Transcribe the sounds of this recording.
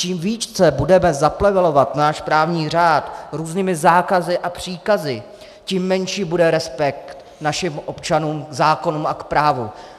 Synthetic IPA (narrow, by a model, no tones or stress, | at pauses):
t͡ʃiːmviːt͡ʃt͡sɛbudɛmɛzaplɛvɛlo̞vat̪naːʃpɾaːvɲiːr̝aːt̪ɾuːzniːmɪzaːkazɪʔapr̝̥iːkazɪ | ciːmːɛnʃiːbudɛɾɛspɛk̚t̪ | naʃɪmʔo̞pt͡ʃanuːmɡzaːko̞nuːmakpɾaːvu